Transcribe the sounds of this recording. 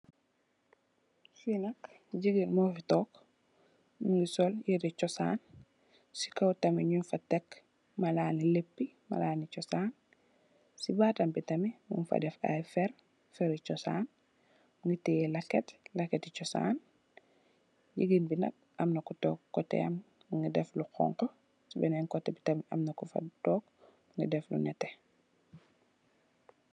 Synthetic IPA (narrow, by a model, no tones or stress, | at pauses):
sinɐk | ɟiɡinmofitɔːk | muŋɡisoljidit͡ʃɔsa̰ːn | si̥kowtɐmiɲunfatek | mɐlaːnilepːima̰laːnit͡ʃɔsaːn | sibatɐmbitɐmimṵnfa̰dɛfa̰jfɛɾ | fɛɾit͡ʃɔsa̰ːn | muŋɡitijɛlɐkɛtlɐkɛtit͡ʃɔsa̰ːn | ɟiɡinbinɐ̰k̚ | ɐmnɐkutɔːkːɔtɛ̰ɐm | muŋɡidɛfluqɔ̰ŋkɔ | sibɛnɛŋkɔtːɛbitɐmiɐmnɐkufa̰tɔːkmuŋɡidɛflṵnɛtɛ